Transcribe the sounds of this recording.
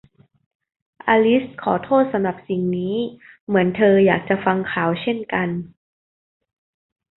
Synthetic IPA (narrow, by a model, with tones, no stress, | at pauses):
ʔaː˧li˦˥skʰɔː˩˦t̪ʰoː˥˩t̪̚sa˧mɾa˨˩p̚si˨˩ŋniː˦˥ | mɯ˩˦ənt̪ʰɤː˧jaː˨˩k̚t͡ɕa˨˩fa˧ŋkʰaː˩˦wt͡ɕʰe˥˩nka˧n